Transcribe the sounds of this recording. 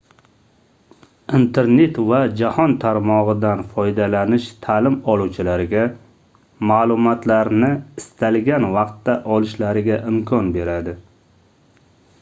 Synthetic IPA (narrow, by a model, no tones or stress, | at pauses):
int̪ʰe̞ɾne̞t̪vad͡ʒahɒnt̪ʰaɾmɒʁɨd̪anfɒjd̪alanɪʃt̪ʰalɪmɒlˠuwt͡ʃʰɪlaɾɪɡʲa | maːlˠʊmɒt̪laɾnɪɪst̪ʰalɡʲanvɑqt̪ːaʔɒlˠɪʃlaɾɪɡʲaʔɪmkʰɒnbe̞ɾad̪ɪ